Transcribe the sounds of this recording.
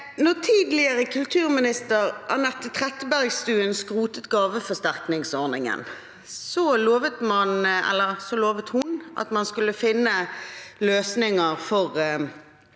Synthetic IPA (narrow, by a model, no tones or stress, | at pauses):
nɔt̪ʰiːd̪lɪəɾəkʰʉlt̪ʰʉːʁmɪnɪst̪əʁʔɑʁnɛt̪ːət̪ʰʁɛt̪ːəbæʁɡst̪ʉːənskʁuːt̪ət̪ɡɑːʋəfɔst̪æʁknɪŋsɔʁnɪŋə̰n | sɔloːʋət̪mɑnɛ̰lːəʁsɔloːʋət̪hʊnʔɑ̰t̪mɑnskʉlːəfɪnːəløːsnɪŋəʁfɔʁ